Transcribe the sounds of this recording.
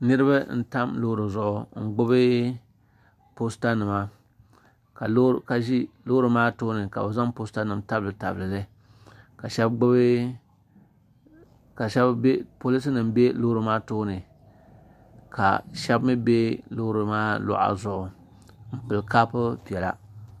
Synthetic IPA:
nɨ˦ɾɨ˦ba˦n̩˦ta˦mlo˦hɾɨ˨zʊ˨ʔʊ˨ŋ̩˨ɡ͡bʊ˦bɨ˦ | po˦sta˦nɨ˨ma˦ | ka˨lka˨ʒi˦lo˦ɾɨ˨maː˦toː˦nɨ˨ka̰˨bɨ˨za˦mpo˦sta˦nɨ˨mta˦bɨ˨ta˨blɨ˨lɨ˦ | ka˨ʃɛ˦bɡ͡bʊ˦bɨ˦ | ka˨ʃɛ˦bbe˦po˦li˦s̬ɨ˦nɨ˨mbe˦lo˦ɾɨ˨maː˦toː˦nɨ˨ | ka̰˨ʃɛ˦bmɨ˦be˦lo˦ɾɨ˨maː˦lʊ̰˨ʔa̰˨zʊ˨ʔʊ˨ | m̩˦pɨ˨lka˦pɨ˦pi˨ɛ˨la̰˦

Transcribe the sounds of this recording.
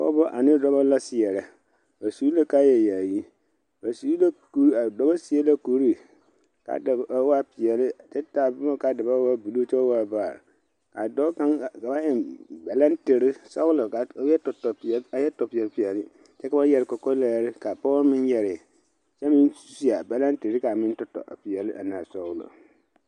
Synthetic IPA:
pɔ̰˦bɔ˦ʔa˨nɪ˦dɔ˦ba˦la˦sɪ˨jɛ˨ɾɛ˨ | ba˨su˨˦la˦ka˦jɛ˨jaː˨ji˦ | ba˨su˨˦la˦ku˨ɾa˨dɔ˨ba˦si˦ɛ˦la˦ko˨ɾi˦ | ka̰˨da˨a˦wa˦pɪ˨ɛ˨lɪ˦t͡ʃɛ˦taː˨bʊ˦ma˦ka˨dɪ˨ba˦wa˦bu˨lo˦t͡ʃɛ˦wa˦˨baː˨ɾ̰ | ka̰˨dɔ˦kã˦ŋ˨ka˨ba˦jɛ˨nba˨la˦ntɪ˨ɾɪ˦sɔ˦ɣʊ˦lɔ˨ka˨˦jɛ˦tʊ˨tɔ˨a˨jɛ˦tɔ˨pɪ˨ɛ˨lpɪ˨ɛ˨lɪ˦ | t͡ʃɛ˦ka˨˦ba˦jɛ˨ɾɪ˨kɔ˨kɔ˦la˨˦ɾɪ˦ka˨pɔː˦mɪ̃˦njɛ˨ɾɪ˨ | t͡ʃɛ˦mɪ̃˦n˦si˦a˨ba˨la˦ntɪ˨ɾɪ˦ka˨mɪ˦ntʊ˦tɔ̰˨ʔa̰˨pɪ˨ɛ˨lɪ˦ʔa˨na˨sɔ˦ɣʊ˦lɔ̰˨

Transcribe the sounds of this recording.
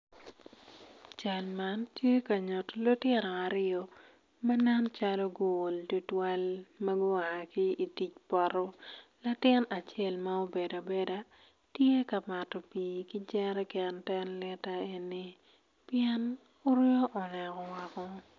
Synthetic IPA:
t͡ʃa˨lma˦ntje˦ka˨ɲɔ˨tɔ˨lo˦tɪ˦ɾɔ˨a˨ɾɪɔ˨ | ma˦nɛ˦nt͡ʃa˦lɔ˦ɡʊː˦˨ldu˦twa˦lma˦ɡʊ˦a˨a˨ki˦i˨ti˨t͡ʃpɔ˨ɾɔ˦la˦tɪ˦na˨t͡ʃe˦˨lma˦o˦be˨do˨be˦da˦ | tje˦ka˨ma˨tɔ˨pi˨ki˦d͡ʒɛ˦ɾɛ˦kɛ˨ntɛ˦nlɛ˦ta˦e˨ni˦ | pɪɛ˦n | ʊ˦ɾo˦ʔɔ˨nɛ˨kɔ˨wa˨kɔ˦

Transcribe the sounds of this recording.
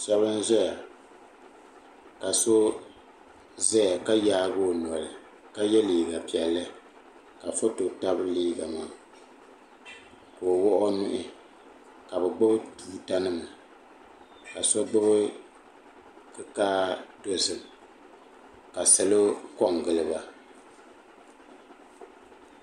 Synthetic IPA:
sa˦bɨ˦n̩˦zɔ˦ja˨ | ka˨so˦ | zɛ˦ja˨ka˦jaː˦bo˦˨n˨ɔ˨lɨ˨ | ka˦jɛ˦liː˨ɡa˨pi˨ɛ˨lːɨ˦ | ka˨fo˦to˨ta˦bɨ˦liː˦ɡa˨maː˦˨ | koː˨wɔ˦ʔɔ˦nʊ˦ʔɪ˦ | ka˨bɛ˨ɡ͡bo˦bɨ˦tuː˦ta˦nɨ˦ma˨ | ka˨sɔ˦ɡ͡bɨ˦bɨ˦ | kɨ˦kaː˦do˦sɨ˨m˨ | ka˨sɛ˨lo˦kɔ˦˨ŋɡɨ˨lɨ˦ba˦

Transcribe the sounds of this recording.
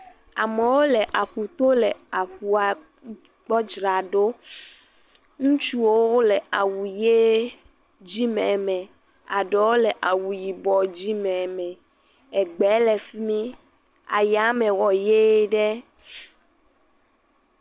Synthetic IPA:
a̰˨mẽ˨wo˦lɛ˨ʔa˨ɸu˨t̪o˦lɛ˨a˨ɸu˨a˨ | k͡pɔ˦d͡ʒɾa˨ɖo˦ | ŋũ˦t͡ʃu˦wo˦wlɛ˨a˨wu˨je˦ | d͡ʑi˦mɛ̃˨mɛ̃˨ | a̰˨ɖɔ˨wo˦lɛ˨ʔa˨wu˨ji˨bɔ˨d͡ʑi˦mɛ̃˨mɛ̃˨ | ɛ˨ɡ͡bɛ˨˦lɛ˨fi˦mĩ˦ | a˨ja˨˦mɛ̃˨wɔ˨je˦ɖɛ˦

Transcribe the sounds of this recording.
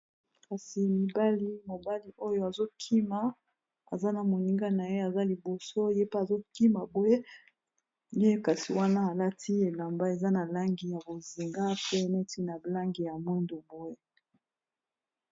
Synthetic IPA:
ka˨si˨mi˨ba˦li˦mo˨ba˦li˨ʔo˦jo˦a˨zo˦kʰi˦ma˨ | a̰˨za˦na˨mo˨ni˦ŋɡa˦na˨je˦a˨za˦li˨bo˨so˦je˦pe˦a˨zo˦ki˦ma˨bo˦e˦ | nje˦ka˨si˨wa˦na˦a˨la˦tʰi˦e˨la˨mba˦e˨za˦na˨la˦ŋɡi˨ja˨bo˨zi˨ŋɡa˦pe˦˨nɛ˦ti˦na˨la˦ŋɡi˨ja˨mwɛ˦ndo˨bo˦e˦

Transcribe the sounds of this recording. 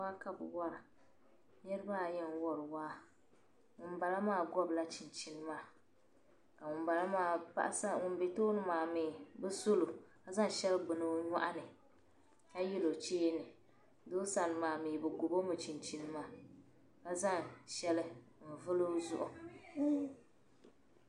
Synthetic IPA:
waː˦ka˦bɨ̰˨wa˦ɾa˨ | ɲɛ˦ɾɨ˦ba˦˨jɛ˦n˦wɔ˨ɾɨ˨waː˦ | ŋʊ˨n˦ba˨la˦maː˦˨ɡɔ˦bla˦t͡ʃi˨n˨t͡ʃi˦nɨ˦maː˦˨ | ka˨ŋʊ˨mba˨la˦ma˦˨pa̰˦ʔsa˦ŋʊ˨n˦be˨toː˦nɨ˦maː˨miː˨bɨ˦so˦lo˨ka˦za˦ŋ˨ʃɛ˦lbɨ˨nɨ˦ɲa˦ʔa˦nɨ˨ | ka˦ji˦lo˨t͡ʃeː˦nɨ˨ | do˦sa˨nɨ˨maː˨miː˨bɨ˨ɡʊ˨bo˦mɨ˨t͡ʃi˨nt͡ʃi˨nɨ˦maː˦ | ka˦za˦˨ŋʃɛ˦lɪ˦ | m̩˨vɨ˦lo˦zʊ̰˦ʔʊ˨

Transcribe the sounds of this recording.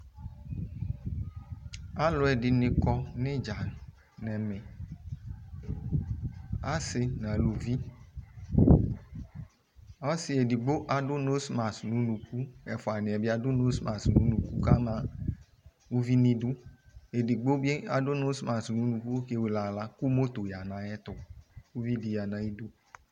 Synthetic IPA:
a˦lo˨ɛ˨di˨nẽ˨kɔ˦ne˦d͡ʒa˨ | nɛ˨mɛ˨ | a˦se˧nã˨lu˨vi˦ | ɔ˦si˨e˨di˨ɡ͡bo˦ʔa˨do˦no˦sma˨snũ˨˦nũ˨ku˦ɛ˨fɔ˨a˨nẽ˨ɛ˨bi˦a˦do˦no˦sma˨snũ˨˦nũ˨ku˦ka˦mã˦ | wu˦vi˦nĩ˦du˦e˨di˨ɡ͡bo˦be˦a˨do˦no˦sma˨snũ˨˦nũ˨ku˦ke˦we˨la˨la˦ku˦mo˦t̪o˨ja˨nã˨ɛ˦t̪ɔ˨wu˦vi˦di˨ja˨nã˨ji˦du˦

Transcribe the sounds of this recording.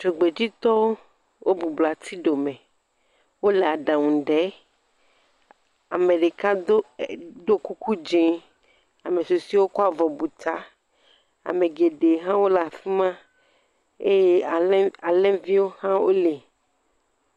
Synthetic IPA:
t͡ʃo˨ɡ͡be˨d͡ʑi˦t̪ɔ˦wo˦ | wʔo˦bu˨bla˨t̪ʰi˦ɖo˨mẽ˨ | wo˦le˨a˨ɖã˨ŋũ˨ɖɛ˨˦ | a˨me˨ɖe˨ka˦d̪o˦ku˦ku˦d͡ʒẽ˦ | a˨me˨so˨si˦wo˦kɔ˦a˨vɔ˨bu˨t̪a˦ | a̰˨me˨ɡe˨ɖe˨ɦã˦wo˦la˨fi˦mã˦ | e˦je˦˨˦a˨lɛ˦vi˦wo˦hã˦wo˦le˨

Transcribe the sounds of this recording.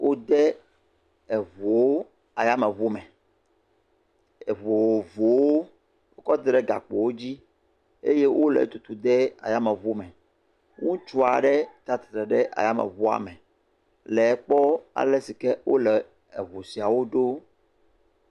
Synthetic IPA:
wʔo˦d̪ɛ˦ | ɛ˨vo˨wo˦ | a˨ja˦mɛ˨vo˦mɛ̃˨ | ɛ˨vo˨wo˨vo˨wo˦ | wo˦kɔ˦d̪ɖɛ˦ɡa̰˨k͡po˨wo˦d͡ʑi˦ | e˦je˦wʔo˦lɛ̰˨t̪u˨t̪u˨d̪ɛ˦a̰˨ja˦mɛ˨vu˦mɛ̃˨ | ŋũ˦t͡ʃu˦a˨ɖɛ˦t̪a˦t̪e̥˨t̪ɾɛ˨ɖɛ˦ʔa̰˨ja˦mɛ̰̃˨vo˦a̰˨mɛ̃˨ | lɛ˨˦k͡pɔ˦a̰˨lɛ˦si˨kɛ˦wo̰˦lɛ˨ | ɛ̰˨vo˨si˨a˨wo˦ɖo˦

